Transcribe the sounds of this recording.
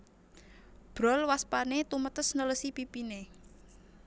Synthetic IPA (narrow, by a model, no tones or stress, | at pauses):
b̥ɾɔlwaspanet̪umət̪əsnələsipipine